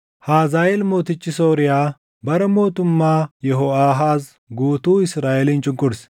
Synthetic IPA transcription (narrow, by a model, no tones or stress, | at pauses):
haːzaːjelmo̞ːt̪ɪt͡ʃːɪsoːɾɪjaː | bɐɾɛmo̞ːt̪ʊmːaːjɛɦɔaːɦaːs | ɡuːt̪uːɪsɾaːʔelɪnt͡ʃʼɪŋkːʊɾɪs